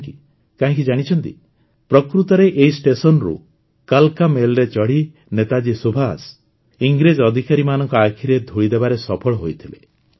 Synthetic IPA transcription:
ki | kaɦãŋk̬id͡ʒaɽ̃it͡ʃʰɔnt̪ḭ | pɾɔkɾut̪ɔɾeʔeisʈesɔnɾṵ | kalkamelɾet͡ʃɔɽi | net̪ad͡ʒisubʱas | iŋɡɾed͡ʒɔd̪ʱikaɾimanɔŋkɔakʰiɾed̪ʱoɭid̪ebaɾesɔpʰɔɭɔɦojt̪ʰile

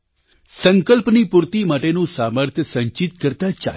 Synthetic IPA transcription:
sə̃ŋkəlpnipuɾt̪imɐʈenũːsaːməɾt̪ʰjəsə̃ɲt͡ʃit̪̚kəɾt̪at͡ʃa̰ː

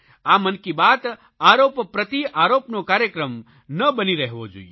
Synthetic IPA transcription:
aːmənkibaːt̪ | aːɾoːppɾət̪iʔaːɾoːpnokaːɾjəkɾəm | nəbəniɾəɦʋod͡ʒo̰i

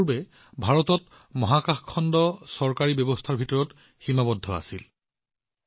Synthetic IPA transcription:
bɛ | bʱaɹɔtɔt | mɔɦakaxkʰːɔndɔsɔɹkaɹibjɔbɔstʰaɹbʱitɔɹɔt | ximabɔdʱːɔa̰sil

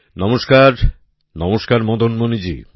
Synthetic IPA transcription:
nɔmoʃkaɾ | nɔmoʃkaɾmɔd̪ʱonmonid͡ʑḭ

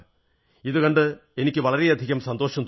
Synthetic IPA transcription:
iðukɐɳɖɨe̞nikʲːɨʋɐɭɐɾeɐd̪ʱiɣɐmsɐnd̪o̞ːɕɐmt̪

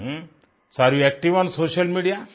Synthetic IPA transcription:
saɾiɛk̚ʈiʋansoʃɐlmiɖija

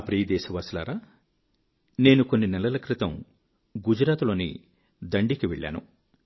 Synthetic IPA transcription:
pɾiːɐd̪ɛːʃɐʋaːsla̰ːɾaː | ne̞ːnuko̞nːinɛlɐlɐkɾɪt̪ɐm | ɡud͡ʒɾaːt̪lo̞ːnḭ | d̪ɐɳɖikiʋɛ̰ɭːa̰ːnṵ

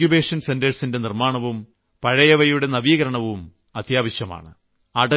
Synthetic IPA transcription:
jubeːʂɐnsendɐɻsinde̞nirmaːɳɐʋum | pɐɻɐjɐʋɐjuɽe̞nɐʋiːɣɐɾɐɳɐʋum | ɐt̪ʰjaːʋɐɕjɐma̰ːɳɨ̰ | aːɖɐ

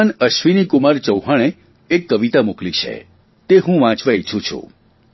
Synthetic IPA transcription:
nəʃʋinikumaɾt͡ʃəwɦaɭ̃eː | kːəʋit̪amuklit͡ʃʰḛ | t̪eɦũʋãt͡ʃʋait͡ʃʰũt͡ʃʰṵ̃

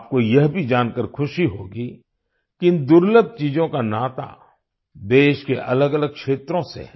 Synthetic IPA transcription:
p̚kojɐɦbʱid͡ʒaːnkəɾkʰʊʃiɦo̰ːɡi | kiɪ̃nd̪ʊɾləb̚t͡ʃiːd͡ʒõkanaːt̪a̰ | d̪eːʃkeʔɐləɡɐləɡ̚kʃeːt̪ɾõsḛ

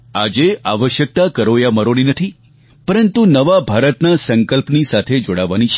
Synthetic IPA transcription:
ad͡ʒeʔa̰ʋəʃjək̚t̪akəɾojaməɾoninət̪ʰi | pəɾənt̪unəʋabʱaɾət̪nasəŋkəlpnisat̪ʰed͡ʒoɽaʋanit͡ʃʰ

